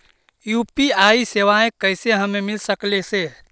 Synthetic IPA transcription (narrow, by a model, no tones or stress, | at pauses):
jupiaiseʋaẽkəɪseɦəmemilsəklese